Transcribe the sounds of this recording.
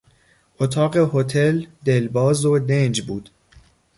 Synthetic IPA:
ʔot̪ʰɒːɢehot̪ʰeld̪e̞lbɒːzod̪end͡ʒbuːd̪̥

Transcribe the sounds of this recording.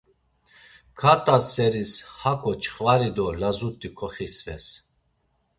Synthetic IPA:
kʰat̪ʼasɛɾishakʰʼɔt͡ʃʼχvaɾid̪ɔlazut̪ʼːikʰɔχisvɛ̰s

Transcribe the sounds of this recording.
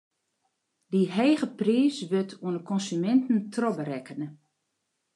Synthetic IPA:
diɦeːɣəpriːsʋøtʰuənəkɔnsymɛntn̩tʰrɔbəɾɛkənə

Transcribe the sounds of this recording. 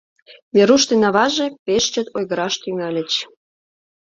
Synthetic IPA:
βeɾuʃt̪enɑβɑʒepeʃt͡ɕə̆t̪ojɣəɾɑʃt̪yŋɑlʲə̆t͡ɕ

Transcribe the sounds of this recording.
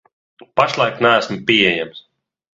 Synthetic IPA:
paʃlˠajknæːsmpʲiɛjams

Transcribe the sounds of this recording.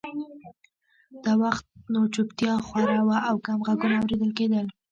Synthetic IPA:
d̪̥awaxt̪̚not͡ʃupt̪jɑxwaɾɑwaʔawkamɣaɡunaawɾed̪əlked̪əl

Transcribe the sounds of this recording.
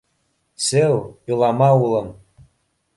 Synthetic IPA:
sewilamawuləm

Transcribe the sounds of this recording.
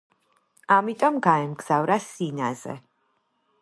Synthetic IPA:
amit̪ʼɔmɡaɛmɡz̥avɾasinazɛ̰

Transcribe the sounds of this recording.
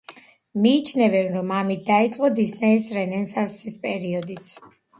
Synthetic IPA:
miːt͡ʃʰnɛvɛnɾɔmamit̪̚d̪ait̪sʼqʼɔd̪isnɛisɾɛnɛnsasispʼɛɾiɔd̪it̪sʰ

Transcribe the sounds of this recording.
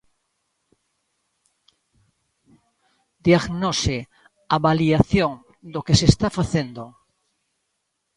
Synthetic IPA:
d̪jaɣnose | aβaliaθjoŋ | d̪okesest̪afaθend̪o

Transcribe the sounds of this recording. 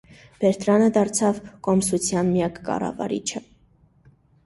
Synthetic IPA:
b̥ɛɾt̪ɾɑnəd̪ɑɾt͡sʰɑvkɔmsut͡sʰjɑnmjɑkːɑ̰rɑ̰vɑ̰ɾḭt͡ʃʰə

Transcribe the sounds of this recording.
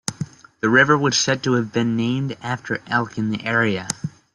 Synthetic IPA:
ðɨɹɪvə˞wəd̥sɛd̚təːvbɨ̃nːẽɪ̃mdæftʰə˞ʔɛlˠkɨ̃nðiʔɛɹiɨ

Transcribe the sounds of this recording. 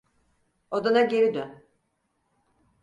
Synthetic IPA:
od̪anaɟeɾid̪ø

